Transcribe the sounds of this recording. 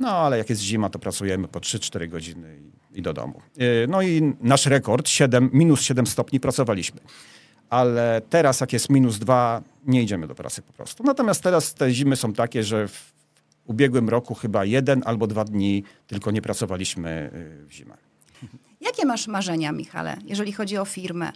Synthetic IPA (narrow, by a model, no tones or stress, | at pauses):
nɔalɛjakjɛst̪ʑimat̪ɔpɾatsujɛmɘpɔtʂɘt͡ʂt̪ɛɾɘɡɔd͡ʑinɘi | id̪ɔd̪ɔ̰mṵnɔinaʂɾɛkɔɾt̪ɕɛd̪ɛmːʲinusɕɛd̪ɛmst̪ɔpɲipɾat̪sɔvalʲiɕmɘ | alɛt̪ɛɾasjakjɛst̪mʲinuzd̪va | ɲɛid͡ʑɛmɘd̪ɔpɾa̰t̪sɘ̥pɔ̥pɾɔ̰st̪unat̪ɔmʲjast̪ːɛɾast̪ɛʑimɘsɔ̃w̃t̪akʲɛʐɛv | ubʲjɛɡwɘmɾɔkuxɘbajɛd̪ɛnʔalbɔd̪vad̪ɲit̪ɘlkɔɲɛpɾat̪sɔvalʲiɕmɘ̰vʑḭmɛ̰ | jakʲɛmaʂmaʐɛɲamʲḭxa̰lɛ̰jɛʐɛlʲixɔd͡ʑiɔfʲiɾmɛ̰